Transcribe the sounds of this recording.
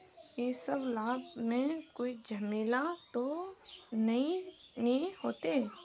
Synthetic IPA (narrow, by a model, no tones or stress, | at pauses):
jesəblaːbmẽkoːid͡ʒʱɐmeːlat̪o | nɐĩnĩhoːt̪e